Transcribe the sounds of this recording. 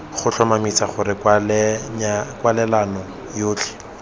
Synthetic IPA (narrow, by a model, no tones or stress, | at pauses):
χʊt͡ɬʰɔmamit͡saχʊrɪkl | kwalɛlanɔ | joːt͡ɬʰɪ̥